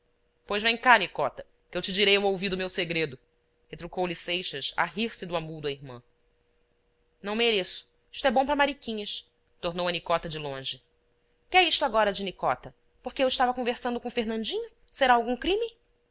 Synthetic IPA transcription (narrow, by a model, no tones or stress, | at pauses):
pojzvẽj̃kanikɔt̪ɐ | kewt͡ʃɪd͡ʒiɾejũowvid̪ʊmewseɡɾed̪ʊ | het̪ɾukowlisejʃɐsa̰ɦiɾsɪd̪ʊamud̪ʊɐiɾmɐ̰̃ | nɐ̃w̃meɾesʊ̥ | i̥ʃt̪ʊɛbõpɾɐmaɾikĩɲɐs | t̪oɾnowɐnikɔt̪ɐd͡ʒɪlõʒɪ | kɪɛiʃt̪ʊaɡɔɾɐd͡ʒɪnikɔt̪ɐ | poχkeewiʃt̪avɐkõveɾsɐ̃nd̪ʊkõfeɾnɐ̃nd͡ʒĩɲʊ | seɾaawɡũkɾĩmi